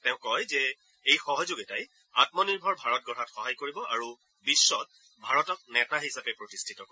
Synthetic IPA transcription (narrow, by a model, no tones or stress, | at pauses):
tɛ̃ʊ̃kɔjzɛ | ejxɔɦɔzoɡitaj | atmɔniɹbʱɔɹbʱaɹɔt̚ɡɔɾatxɔɦajkoɹibɔʔaɹu | bisːɔt̚ | bʱaɹɔtɔk̚nɛtaɦisapɛpɹotistʰitɔkɔ